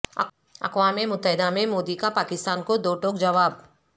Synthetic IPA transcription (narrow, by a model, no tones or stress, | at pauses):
ɐ̰kʋaːmemʊt̪ːəɦɪd̪amẽmoːd̪ikapaːkɪst̪aːnkod̪oːʈoːkd͡ʒɐʋaːb̚